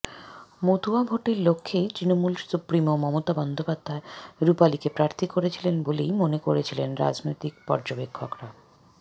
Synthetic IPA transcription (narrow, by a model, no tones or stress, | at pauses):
mod̪uabʱoʈiɾlokʰːejt̪ɾinomulsupɾimomɔmot̪abɔnd̪ʱopad̪ʱːaeɾupalikepɾaɾt̪ʰikoɾet͡ɕʰilenbolejmonekoɾet͡ɕʰilenɾa̰d͡ʑnojt̪ik̚pɔ̰ɾd͡ʑobekʰːokɾa